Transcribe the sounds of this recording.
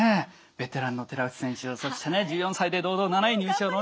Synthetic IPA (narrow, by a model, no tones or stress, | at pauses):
e | b̥e̞t̪e̞ɾãnːo̞t̪e̞ɾaɯ̟t̪i̥sẽ̞ɕɨsoɕtaned͡ʑɨːjõsaid̪e̞d̪o̞ːd̪o̞ːnanaiɲ̟ɨːɕoːno